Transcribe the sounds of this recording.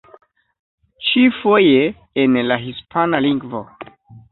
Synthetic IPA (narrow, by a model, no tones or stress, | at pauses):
t͡ʃifo̞jeː | nlaɦispʰanaliŋɡvo